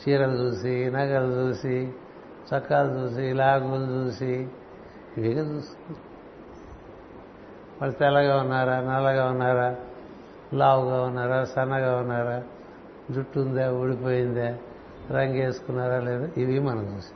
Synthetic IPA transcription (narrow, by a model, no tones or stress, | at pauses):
t͡ʃiːɾɐld͡ʒuːsinɐɡɐlut͡ʃuːsi | t͡ʃɐkːaːlud͡ʒuːs̬ilaːɡuld͡ʒuːsi | iʋiɡad͡ʒuːs | mɐlːɐt̪ɛlːɐɡaːunːaːɾaːnɛlːɐɡaːunːaːɾaː | laːwuɡaːunːaːɾaːsɐnːɐɡaːunːaːɾaː | d͡ʒuʈːund̪eːuɽipo̞ːjind̪e | ɾɐŋɡe̞ːsu̥kunːaːɾaːleːd̪aiʋimɐnɐd͡ʒuːsi̥